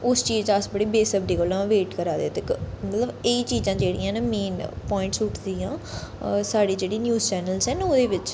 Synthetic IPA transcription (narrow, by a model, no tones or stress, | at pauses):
ʊst͡ʃiːd͡ʒəsbəɽiːbeːsəbɖiːkəlãːʋeːʈkəɾaːd̪et̪ekmət̪ləbeːt͡ʃiːzãːd͡ʒeːɽḭːãːnãːmeːnpɔːɪ̃ɳʈsʊʈʰd̪iːjãː | saːɽiːd͡ʒeːɽiːnjuːzt͡ʃɛːnəlsɛːnoːd̪eːʋɪt͡ʃ